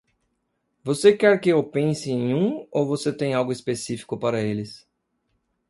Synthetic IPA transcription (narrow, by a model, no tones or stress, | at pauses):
vosekɛɾkɪewpẽsɪẽj̃ũowvoset̪ẽj̃awɡʊispesifi̥kʊpaɾɐelɪs